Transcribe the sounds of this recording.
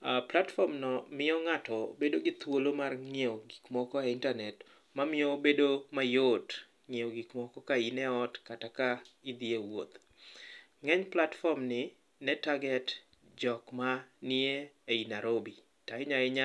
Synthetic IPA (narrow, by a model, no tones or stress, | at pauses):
platfɔmnɔmɪɔŋatɔbedoɡɪt̪wolomarŋeoɡikmɔkɔɛɪntanɛt | mamɪɔbedomajot | ŋeoɡikmɔkɔkainɛɔtkatakaid̪iewo̰t̪ | ŋɛɲplatfɔmnɪ | nɛtaɡɛt | d͡ʒɔkmanɪeeinaɾobi | taɪɲaɛɲa